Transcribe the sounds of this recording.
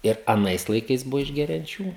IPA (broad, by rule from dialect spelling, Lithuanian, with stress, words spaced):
ɪr ɐˈnɐɪs lˠɐɪˈkɐɪs ˈbʊʋoː ɪʒʲɡʲɛrʲɛnʲˈt͡ʃʲuː